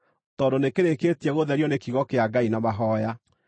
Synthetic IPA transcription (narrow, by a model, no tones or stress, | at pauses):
tɔndonekeɾeketɛɣoðɛɾjɔnekiɣɔkeaɡainamaɦɔja